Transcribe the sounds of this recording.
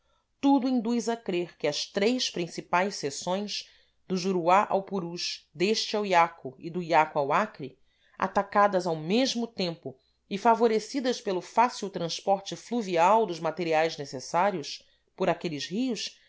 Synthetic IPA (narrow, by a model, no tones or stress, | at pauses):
t̪ud̪ʊĩnd̪ujzɐkɾeɾkɪɐst̪ɾejspɾĩsipajʃsesõj̃z | d̪ʊʒuɾuaʔa̰wpuɾuʃd̪eʃt͡ʃɪawiakʊɪd̪ʊiakuawakɾi | a̰t̪akad̪ɐzawmeʒmʊt̪ẽmpʊ | ɪfavoɾesid̪ɐspelʊfasiwt̪ɾɐ̃spɔɾt͡ʃɪfluviawd̪ʊzmat̪eɾiajznesesaɾjʊs | pʊɾakelɪzhiʊʃ